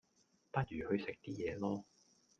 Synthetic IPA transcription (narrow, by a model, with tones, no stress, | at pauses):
pɐ˥t̚ɥyː˨˩hɵ˧ɥsɪ˨k̚t̪iː˥jɛː˨˧lɔː˥